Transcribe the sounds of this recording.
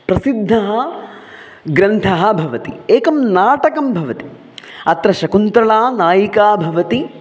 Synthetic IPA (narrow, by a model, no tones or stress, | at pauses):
pɾɐsid̪ʱːɐɦɐ | ɡɾɐnt̪ʰɐɦɐ̆bʱɐʋɐt̪ḭeːkɐmnaːʈɐkɐmbʱɐʋɐt̪i̥ | ɐt̪ɾɐʃɐkunt̪ɾɐɭaːnaːjikaːbʱɐʋɐt̪i